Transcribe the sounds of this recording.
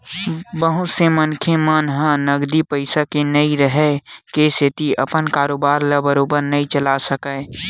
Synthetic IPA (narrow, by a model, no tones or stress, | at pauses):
bəɦʊsemənkʰemanɦãnəɡd̪ipəɪsakenəĩɾəɦɛkesʰɪt̪iʔəpənkaːɾoːbaːɾlabəɾoːbəɾnəĩt͡ʃəlasəkəː